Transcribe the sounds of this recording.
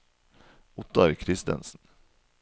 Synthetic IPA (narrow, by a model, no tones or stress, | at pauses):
ʊt̪ɑɾkʰɾɪst̪ɛ̰nsn̩